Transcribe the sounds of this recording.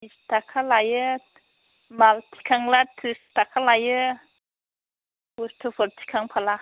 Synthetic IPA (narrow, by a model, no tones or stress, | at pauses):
ist̪akʰalajə | malt̪ʰi̥kʰaŋlat̪ʰɨst̪akʰalajə | wost̪ʰufəlt̪ʰi̥kʰaŋpʰala